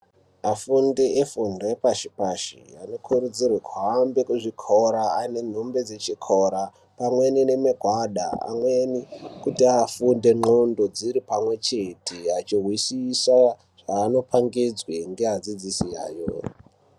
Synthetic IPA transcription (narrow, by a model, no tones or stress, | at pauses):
afundeʔefundoepaʃi̥paʃḭano̞kʰuɾud͡zirwekʰuɦambekuʐikʰoɾaane̞n̤umbe̞d͡ze̞t͡ʃikʰoɾa | pamwe̞nine̞meɡʱwaɗa̰a̰mwenikutiafunde̞ŋ͡ǃondo̞d͡ziɾipamwe̞t͡ʃe̞tʰeat͡ʃirwisisa | ʐ̥aːno̞pʰaŋɡid͡zweŋɡe̞ɦad͡zid͡zisija̰ːjo̰